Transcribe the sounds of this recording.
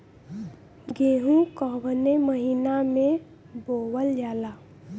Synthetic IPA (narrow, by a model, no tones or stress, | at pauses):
ɡeːɦũkɔbəneməɦinamẽ | bowəljala